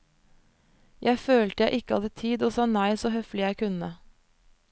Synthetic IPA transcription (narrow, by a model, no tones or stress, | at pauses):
jʔæɪføːlt̪əjæɪʔɪkəhɑd̪ət̪ʰiːd̪oːsɑːnæɪsoːhœflɪjæɪkʰʉnə